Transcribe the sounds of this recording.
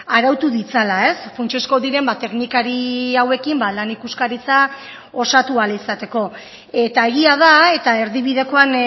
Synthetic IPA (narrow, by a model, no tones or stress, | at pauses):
aɾawt̪uðit͡salae̞sfunt͡ʃeosko̞ðiɾe̞mbat̪e̞knikaɾiawe̞kimbalanikuskaɾit͡sa | o̞sat̪ualaisat̪e̞ko̞ | e̞t̪ae̞ɣ̞iað̞ae̞t̪ae̞ɾðiβiðe̞ko̞an